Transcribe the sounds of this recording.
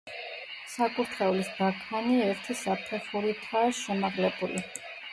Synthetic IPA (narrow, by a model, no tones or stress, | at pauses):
sakʼuɾt̪ʰχɛulisd̪akʰaniɛɾt̪ʰisapʰɛχuɾit̪ʰaːʃɛmaʁlɛbuli